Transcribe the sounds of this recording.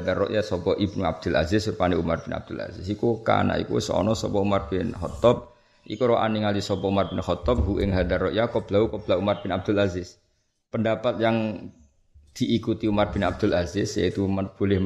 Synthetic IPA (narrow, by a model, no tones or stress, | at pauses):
d̪arɔ̰ʔjasɔpɔʔibnua̰b̥̚d̪̥ʊ̤la̰zɪspaniumarb̥ɪna̰b̚d̪̥ula̰zɪsikuka̰na̰ʔḭkṵsɔ̰nɔsɔpɔumarb̥ɪnhɔt̪ɔp̚ | ʔḭkuɾɔʔa̰niŋalisɔpɔumarb̥ɪnhɔt̪ɔp̚ɦuʔɪŋɦad̪arːɔʔjakɔb̥laukɔb̥laumarb̥ɪnab̚d̪̥ʊlazɪs | pəndapat̪̚jaŋ | d̪̥iʔikut̪iumarb̥ɪnab̚d̪̥ʊ̤lazɪsja̰it̪umab̥olɪh